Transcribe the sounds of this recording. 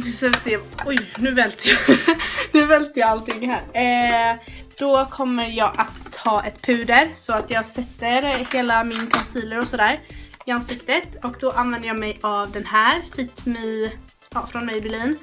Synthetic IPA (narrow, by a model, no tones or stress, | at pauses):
savɪseːɔjnʉ̟ːvɛlt̪ʰəja | nʉ̟ːvɛlt̪əjaalt̪ɪŋːɦæːɾ | d̪̥ɔkʰɔmːəɾjɑːɡʔat̪ʰːɑːʔɛt̪pʰʉ̟ːd̪əɾsɔat̪jɑːɡsɛt̪ːəɾheːlamɪnkʰansiːləɾɔsɔd̪æːɾɪansɪkt̪ət̪ɔkd̪ɔʔanvɛnd̪əjɑːmɛjavd̪ɛnɦæːɾfɪt̪mɛ | ɑːfɾɔnmɛjbɛɾɭliːn